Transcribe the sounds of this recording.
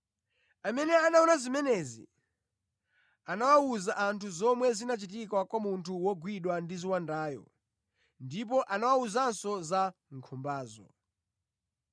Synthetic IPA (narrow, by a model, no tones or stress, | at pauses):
amɛnɛanaɔnazimɛnɛzḭ | anawauzaʔantʰuzɔmwɛzinat͡ʃitikwakwamuntʰuwɔɡwiɗwandiziwandaːjɔ̰ | ndip̬ɔʔanawauzansɔzaŋkʰɔmbaːzɔ̰